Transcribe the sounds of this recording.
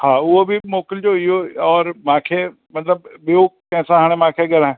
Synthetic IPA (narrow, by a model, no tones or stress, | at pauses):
hãːʊobʱimoːkəld͡ʒoɪoɔːɾmãːkʰe | mɐt̪ləbːoːkɛ̃ːsãɦaːɽ̃emãːkʰeɡəɾɛ̃ː